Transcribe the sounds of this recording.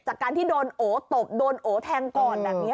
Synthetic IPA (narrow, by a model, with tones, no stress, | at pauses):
t͡ɕaː˨˩kːaː˧nt̪iː˥˩doː˧nʔoː˩˦t̪o˨˩p̚doː˧nʔoː˩˦t̪ʰɛː˧ŋkɔː˨˩nbaː˨˩k̚ni˦˥